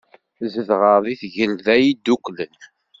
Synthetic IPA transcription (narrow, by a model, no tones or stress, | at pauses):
zəðʁəɾðiθʝəlðæjid̪ːuklən